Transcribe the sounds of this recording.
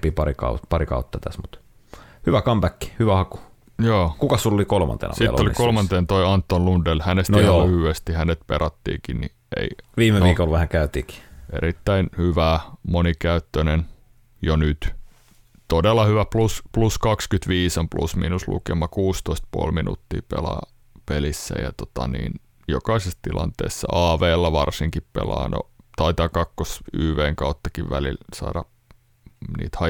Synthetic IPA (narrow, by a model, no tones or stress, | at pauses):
piːpɑɾikɑ̰ṵpɑɾikɑ̰ut̪ːɑt̪æ̰smut̪ | hyʋækɑmb̥ækːi̥hyʋæhɑku̥ | joːkukɑssulːolikolmɑ̰nt̪ḛːnɑ̰sḭl̰ːolikolmɑnt̪eːnt̪oiɑnt̪ːonlundelhænestnjolyhyest̪ihænet̪̚pḛɾɑt̪ːḭːkinnḭ | ḛiʋiːmeʋiːkolʋæhæŋkæyt̪ḭːki̥ʔḛɾit̪ːæinhyʋæmonikæyt̪ːønen | jonyt̪ | t̪odelːˑɑhyʋæpluspluskɑkskyt̪ʋiːsomplṵsmḭnuslṵkemɑkuːst̪oist̪̚puolminṵt̪ːḭːpḛlɑ̰ː | pelisːæ̰jɑ̰t̪ot̪ɑnḭːn | jokɑisest̪ilɑ̰nt̪ḛːsːɑ̰ʔɑːʋeːlːɑʋɑrsiŋkippḛlɑ̰ːno̰t̪ɑit̪ɑkɑkːosyːʋeːŋkɑut̪ːɑkiʋʋælilsɑ̰ːdɑ | nḭːt̪hɑ